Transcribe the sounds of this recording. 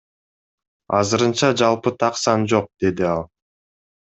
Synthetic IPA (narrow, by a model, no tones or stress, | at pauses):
ɑzɯɾɯnt͡ʃɑd͡ʒɑlˠpɯt̪ʰɑqsɑnd͡ʒo̞q̚d̪e̞d̪iɑlˠ